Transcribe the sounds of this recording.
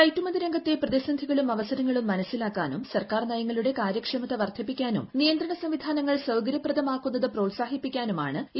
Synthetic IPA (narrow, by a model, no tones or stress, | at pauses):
ɐjtːumɐd̪iɾɐŋɡɐt̪ːeprɐðisɐnd̪ʱiɣɐɭumɐʋɐsɐnɐŋːɐɭumːɐnɐsːilaːkːaːnumsɐrkaːrnɐjɐŋːɐɭuɽe̞kaːɾjɐkʂɐmɐt̪ːɐʋɐrt̪ʰɐpːikʲːaːnumnijɐnd̪ɾɐɳɐsɐmʋid̪ʱaːnɐŋːɐɭsɐwɡɐɾjɐprɐd̪ɐmaːkːunːɐðɨpro̞ːtsaːɦipːikʲːaːnuma̰ːɳɨ